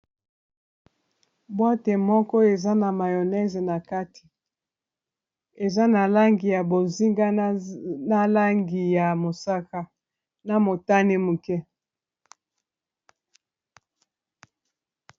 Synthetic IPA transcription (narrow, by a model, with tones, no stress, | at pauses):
bo˦te˨mɔ˦kɔ˦e˨za˦na˨ma˨jo˨nɛ˦ze˨na˨ka˦ti̥˨ | e˨za˦na˨la˦ŋɡi˨ja˨bo˨zi˦ŋɡa˦ | na˦la˦ŋɡi˨ja˨mo˨sa˦ka˦ | na˨mo˨ta˦ne˦mu˨kɛ˦